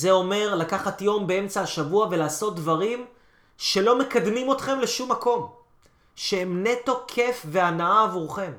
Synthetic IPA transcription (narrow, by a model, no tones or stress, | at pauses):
ze̞o̞me̞ʁlakaχatjo̞mbee̞mt͡saaʃavuave̞laːso̞t̪̚dvaʁim | ʃe̞lo̞me̞kad̪mimo̞tχe̞mle̞ʃumːako̞m | ʃeemne̞to̞kʰe̞fve̞anaaːvuʁχe̞m